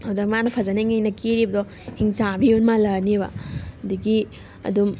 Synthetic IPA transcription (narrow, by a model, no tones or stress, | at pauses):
hawzɐk̚manɐpʰɐzanaŋejnɐkiɾibɐdɔ | hiŋt͡ʃabiunmalɐnibɐ̰hɐdiɡi | ɐ̰dum